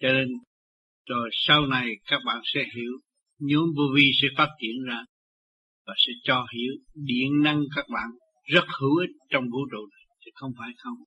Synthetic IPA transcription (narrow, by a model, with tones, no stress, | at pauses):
t͡ɕɔ˧ne˧n | zo˨˩jsa˧wna˨˩jkaː˦˥k̚ɓa̰ː˧˨nsɛ̰˧˥ɦḭ˧˥əw | ɲɨ˨˧˥ŋvu˧vi˧sɛ̰˧˥faː˦˥t̚t͡ɕḭ˧˨ənzaː˧ | vaː˨˩sɛ̰˧˥t͡ɕɔ˧hḭ˧˩˨əwɗḭ˧˨ənna˧ŋkaː˦˥k̚ɓa̰ː˧˨n | zə˦˥t̚hɨ˨˧˦ʔi˦˥t̚t͡ɕɔ˧wŋ͡mvṵ˧˥t͡ɕṵ˧˨na˨˩jt̪ʰi˨˩xə˧wŋ͡mfaː˧˩jxə˧wŋ͡m